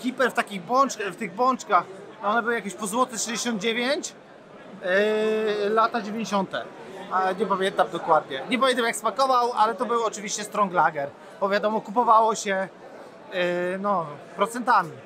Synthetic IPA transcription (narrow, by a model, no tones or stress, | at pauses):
kʲipɛɾft̪akʲiɣbwɔnt͡ʂkft̪ɘɣbwɔnt͡ʂkax | ɔnɛbɘwɘjakʲeɕpɔzwɔt̪ɛxʂɛd͡ʑeɕɔnd̪d͡ʑevʲeɲt͡ɕ | lat̪ad͡ʑevʲjeɲd͡ʑeɕɔnt̪ɛ̰ | aɲɛpamʲjɛnt̪amd̪ɔkwad̪ɲɛɲɛpɔɛnt̪amjakspakɔvawalɛt̪ɔbɘwɔt͡ʂɨvʲiɕt͡ɕɛst̪ɾɔŋɡlaɡɛɾ | bɔvʲjad̪ɔmɔkupɔvawɔɕɛ | nɔpɾɔt̪sɛnt̪amʲi